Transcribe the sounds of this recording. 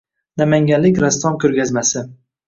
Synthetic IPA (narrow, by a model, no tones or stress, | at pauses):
namaŋɡʲanlːɪkʲɾast̪ɒmkʰʲɵɾɡʲazmasɪ